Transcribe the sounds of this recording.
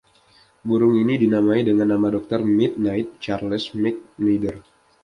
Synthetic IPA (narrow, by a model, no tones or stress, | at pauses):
buɾʊŋinidinamaidəŋanːamadɔk̚t̪ɔrmɪt̪̚naɪt̪̚t͡ʃarləsmɪk̚nidər